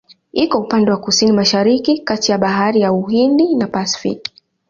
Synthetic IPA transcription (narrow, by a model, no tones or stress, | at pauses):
ikɔupandɛwakusinimaʃaɾikikatijaɓaɦaɾijauhindinapasfḭk